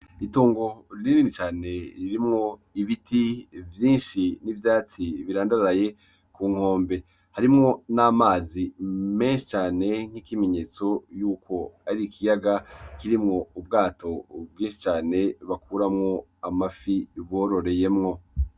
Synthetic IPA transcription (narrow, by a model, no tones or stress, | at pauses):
ituːŋɡo̞ɾnininit͡ʃaːne̞ɾiɾimŋo̞iβitivjiːnʃinivjaːt͡siβiɾaːndaɾaɾaje̞ | kuːŋ̥o̞ːmbe̞ | haɾimŋo̞namaːzime̞ːnʃi̥t͡ʃaːne̞ŋ̥hikime̞ɲe̞ːt͡so̞juːkʰo̞aɾikʰijaɡakiɾimŋo̞ub̚ɡaːtʰo̞bɡiːnʃi̥t͡ʃaːne̞βakuːɾamŋo̞amafiβo̞ːɾo̞ɾeje̞mŋo̞